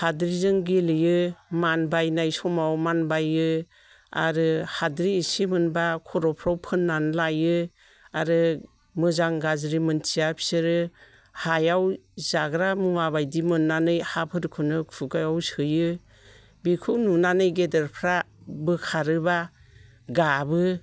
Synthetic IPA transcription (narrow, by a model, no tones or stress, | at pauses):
hadɾizɯŋɡelɯjɯmanbajnajsɔmawmanbajɯ | a̰ɾɯhadɾiːsimɯnbakʰɔɾɔpʰɾawpʰɯnːanlajɯ | aɾɯ | mɯzaŋɡazɾimɯntʰijapʰi̥sɯɾɯ | hajawzaɡɾamɯmabajdimɯnːanɯjhapʰɯɾkʰɯnɯkʰuɡajawsɯjɯ | bikʰuwnunanɯjɡedeɾpʰɾa | bɯkʰaɾɯba | ɡabɯ